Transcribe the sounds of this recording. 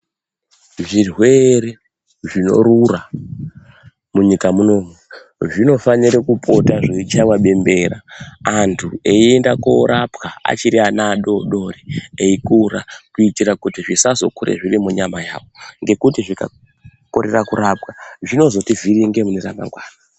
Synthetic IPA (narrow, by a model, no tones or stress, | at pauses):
ʐirwe̞ɾe | ʐino̞̰rura | muɲikamuno̞mwe | ʐino̞faniɾekupʰo̞taʐeit͡ʃamwaɓe̞mbe̞ɾaːntʰueie̞ndakoɾʔapkaa̰t͡ʃiɾianaɗo̞ɗo̞reeikuɾakuitiɾakutiʐisazo̞̰kuɾḛʐirimuɲamaja̰ːʋo̞ŋɡe̞kutiʐika̰ | ko̞ɾe̞rakuɾap̚kaʐino̞zo̞tivʱiriŋɡemunera̰ma̰ŋɡwaːna